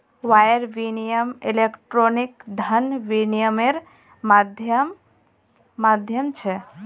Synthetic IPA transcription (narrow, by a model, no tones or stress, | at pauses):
wajəɾʋinijəmilekʈɾonikd̪ʱənʋinijəmeɾ | mad̪ʱjəmː | ad̪ʱjəmt͡ʃʰɛ